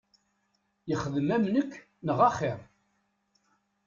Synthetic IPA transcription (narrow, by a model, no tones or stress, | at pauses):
jəχəðəmæmnəkʰː | nəʁɑχiɾˤ